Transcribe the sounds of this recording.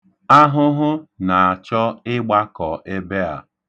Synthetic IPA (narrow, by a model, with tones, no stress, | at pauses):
a˦ɦʊ˦ɦʊ˦na˨a˨t͡ʃɔ˦ɪ˦ɡ͡ba˦kɔ˨ʔe˦be˦a̰˨